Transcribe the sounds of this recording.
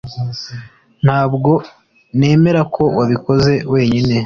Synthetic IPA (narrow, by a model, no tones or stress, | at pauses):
n̥haːbɡo̞ | ne̞ːme̞ɾakʰo̞waβiko̞ze̞we̞ːɲine̞